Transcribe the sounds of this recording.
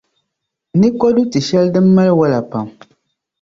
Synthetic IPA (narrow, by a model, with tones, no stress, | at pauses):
nɨ˦kɔ˦du˦tɨ˨ʃɛ˦ldɨ˦mːa˦lwa˦la˨pa˨m